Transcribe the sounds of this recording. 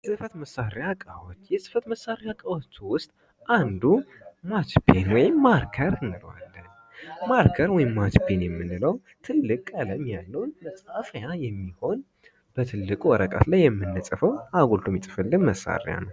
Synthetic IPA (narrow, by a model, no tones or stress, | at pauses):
sɨfət̪məsːaɾejakʼawot͡ʃːjɛsɨ̥fət̪məsːaɾeakʼawot͡ʃːwʊst̪ʼ | ʔand̪u | mat͡ʃbenwɔjɪmːaɾkʰəɾɨnːɨlwa̰lːən | maɾkʰəɾwɔjɪmːat͡ʃbenjɛmːɨnːɨləw | t̪ʰɨlːɨkʼaləmːijalːəwnməsʼhafjajɛmːiho̞n | b̥ət̪ʰɨlːɨkʼuwɔɾəkʼə̰t̪lajːɛmːɨnːɨsʼəfəwaɡolt̪ʰumit̪ʼɨfɨlːɨnməsːa̰ɾ̰ja̰nəw